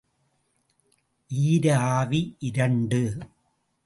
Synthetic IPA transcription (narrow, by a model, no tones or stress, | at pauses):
ʔiːɾɐaːʋiʔɪɾɐɳɖɯ